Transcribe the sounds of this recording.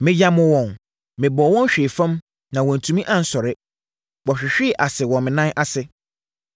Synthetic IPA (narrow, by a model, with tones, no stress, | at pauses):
mɪ̃˦d͡ʑa˦mʊ̃˦wɔ̃˨n | mɪ̃˨bɔ˨wɔ̃˦n˦ɕᶣeː˨fã˦m | nã˨wɔ̃˨n̩˨tʰũ˨mĩ˦ʔã˦n̩˦sɔ˨ɾɪ˦ | wɔ˨ɕᶣɪ˨ɕᶣɪ˦˨ʔa˨sɪ˨wɔ̃˨mɪ̃˨nã˦ʔa˨sɪ˨